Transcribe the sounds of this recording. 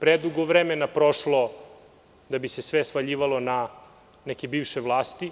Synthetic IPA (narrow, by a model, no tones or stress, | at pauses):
pɾed̪uɡoʋɾemenapɾoʃlo̞ | d̪abisesʋesfaʎiːʋalˠo̞na | nɛkʲebiːʋʃeʋlˠaːst̪i